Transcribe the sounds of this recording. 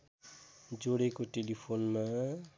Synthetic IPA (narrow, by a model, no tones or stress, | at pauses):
d͡ʒoɽekoʈelipʰoːnmã